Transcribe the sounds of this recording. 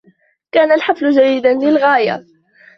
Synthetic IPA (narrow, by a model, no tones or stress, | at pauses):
kaːnalħaflʊʒæjːɪd̪anlɪlɣaːja̰